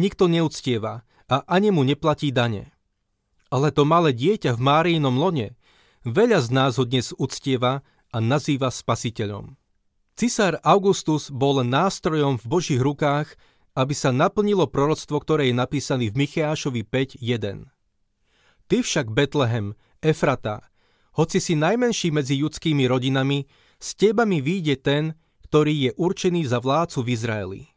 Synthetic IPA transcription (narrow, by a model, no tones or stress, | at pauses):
ɲikt̪ɔɲɛut͡scɪɛʋa | aʔaɲimuɲɛplaciːd̪aɲɛ̰ | alɛt̪ɔmalɛːɟɪɛcavmaːɾiːnɔmlɔɲɛ | ʋɛʎaznaːzɦɔd̪ɲɛzut͡scɪɛʋa | anaziːʋaspasicɛʎɔ̰m | t͡sisaɾaʊɡust̪uzbɔlːɛnːaːst̪ɾɔjɔmvbɔʒiːɣɾukaːx | abisanapl̩ɲilɔpɾɔɾɔt͡st̪ʋɔkt̪ɔɾɛːjɛnapiːsaniːvmixɛaːʃɔʋipɛɟjɛd̪ɛ̰n | t̪ifʃaɡbɛt̪lɛɦɛm | ɛfɾat̪a̰ | hɔt͡sisinajmɛnʃiːmɛd͡ziʎut͡skiːmiɾɔɟinami | scɛbamiʋiːɟɛt̪ɛn | kt̪ɔɾiːjɛʔuɾt͡ʃɛniːzaʋlaːt͡suvizɾaɛ̰lḭ